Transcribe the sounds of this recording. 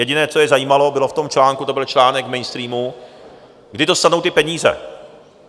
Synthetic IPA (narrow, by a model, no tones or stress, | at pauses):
jɛɟɪnɛːt͡sojɛzajiːmalobɪloft̪o̞mt͡ʃlaːŋkut̪o̞bɪlt͡ʃlaːnɛkmɛjnst̪ɾiːmu | ɡdɪt̪o̞st̪anowt̪ɪpɛɲiːzɛ̰